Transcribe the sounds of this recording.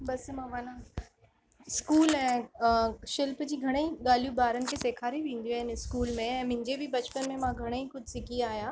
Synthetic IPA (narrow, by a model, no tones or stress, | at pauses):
bɐsmãʋɐnã | skuːlɛ̃ː | ʃɪlpd͡ʑiːɡʱɐɽ̃eiɠaːl̤ijũbaːɾənɪ̆kʰeːseːkʰaːɾiʋẽːn̆d̪jũaːɦɪnɪskuːlmẽɛ̃ːmʊ̃ɦɪ̃ɲd͡ʑebɪbɐt͡ɕpənmẽmãɡʱɐɽ̃eixʊd̪ʱsɪkʰiaːɦjãː